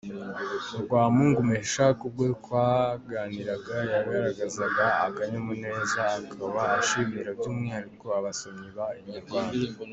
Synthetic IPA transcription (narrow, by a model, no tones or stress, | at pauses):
uɡwaːmuŋɡumeʃakub̚ɡekwaɡaːniɾaɡajaɾihaɾaɡazaɡaːkaɲamune̞ːzaːkʰaβaːʃimiɾabɟuːmŋehaɾiko̞aβasoɲiβaimɲiɾɡwaːna